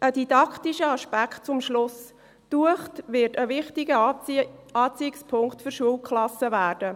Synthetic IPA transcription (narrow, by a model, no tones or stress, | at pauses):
ʔədidɑkʰtiʃəɑʃpækχt̚t͡sʊmʃlʊs | tuəχtʋɪɾtəʋɪχtɪɡə | ɑːt͡siɪkspʰʊŋktfʏɾʃuəlkχlɑsːəvæːrd̥ə